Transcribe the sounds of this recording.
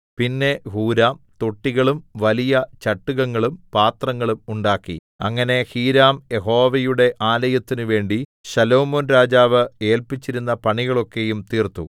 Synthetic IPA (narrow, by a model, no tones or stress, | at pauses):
pinːe̞huːɾaːmt̪oʈːiɣɐɭumʋɐlijɐt͡ɕɐʈːuɣɐŋːɐɭumpaːt̪rɐŋːɐɭumuɳɖaːkːḭ | ɐ̰ŋːɐne̞hiːɾaːmje̞ɦo̞ːʋɐjuɽe̞ʔaːlɐjɐt̪ːinuʋe̞ːɳɖiɕɐlo̞ːmoːnɾaːd͡ʑaːʋɨe̞ːlpit͡ɕːiɾunːɐpɐɳiɣɐɭo̞kːe̞jumt̪iːrt̪ːṵ